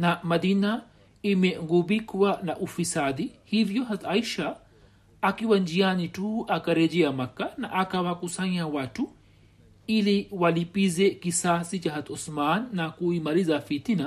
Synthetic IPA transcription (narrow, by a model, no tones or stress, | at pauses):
namaðina | imɛŋɡuɓikwanaʔufisaɗihivjɔɦataiʃaː | kiwand͡ʒianituakaɾɛʄɛamakana̰ʔakawakusaɲawatu | iliwalipizɛkisasit͡ʃaɦat̪ɔsmanːakuimaɾizafitina